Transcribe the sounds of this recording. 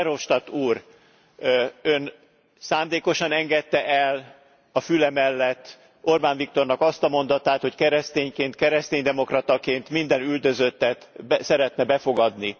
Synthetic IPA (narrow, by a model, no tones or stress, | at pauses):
ɛɾo̞ʃt̪ɒt̪uːr | øn | saːmd̪eːko̞ʃɒnɛŋɡɛt̪ːɛʔɛl | ɒfylɛmɛlːɛt̪ː | orbaːɱvik̚t̪o̞rnɒkɒst̪ɒmo̞n̪d̪ɒt̪aːt̪ho̞ckɛɾɛst̪eːɲkeːnt̪̚kɛɾɛst̪eːɲd̪ɛmo̞krɒt̪ɒkeːnt̪mind̪ɛnyld̪ø̞zø̞t̪ːɛt̪sɛɾɛt̪nɛbɛfo̞ɡɒd̪ni